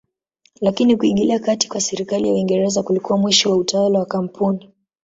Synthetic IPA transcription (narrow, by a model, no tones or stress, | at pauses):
lakinikuiŋɠiliakati̥kwasɛɾikalijauwiŋɡɛɾɛzakulikuwamwiʃiwautawalawakam̩pʰuni